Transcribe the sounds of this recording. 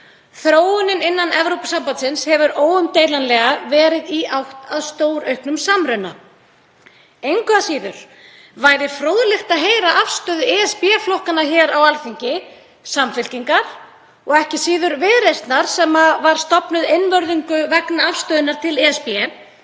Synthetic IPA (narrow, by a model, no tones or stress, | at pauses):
θɾoːwʏnɪnɪnːanɛvɾowpḁsampat̪sɪnshɛvʏɾoːwʏmt̪eːjlanlɛɣavɛːɾɪðiawht̪aðst̪oːwɾœɥhknʏmsamɾʏnːa | ejŋkʏasiːðʏɾ̥ | vaːjɾɪfɾoːwðlɪxt̪aðɦeːjɾaʔafst̪œːðʏɛːɛspjɛflohkanaçɛːɾawalθiɲcɪ | samfɪl̥ciŋkaɾ̥ | ɔɣɛhcɪsiːðʏɾvɪðɾejst̪naɾ̥sɛmːavaɾ̥st̪ɔpnʏðɪnːvœɾðiŋkʏvɛknaafst̪œːðʏnːaɾ̥t̪ʰɪlɛːɛspjɛ